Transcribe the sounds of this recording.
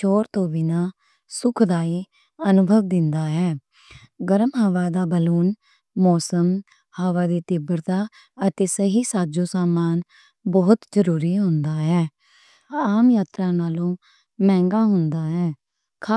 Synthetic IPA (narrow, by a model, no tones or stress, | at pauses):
t͡ʃʰoːɾt̪õːbiːnaː | sʊkʰd̪aːiː | ənʊbʱəʋd̪ɪnd̪aːɦɛː | ɡəɾəmɦəʋaːd̪aːbəluːn | mɔːsəm | həʋaːd̪eːt̪ɪbəɾt̪aː | ət̪eːsəɦiːsaːd͡ʒõːsaːmaːn | bɔːt̪zəɾuːɾiːɦʊ̃nd̪aːɦɛː | aːmjaːt̪ɾaːnaːlõː | mɛ̃ːŋɡaːɦʊnd̪aːɦɛː | kʰa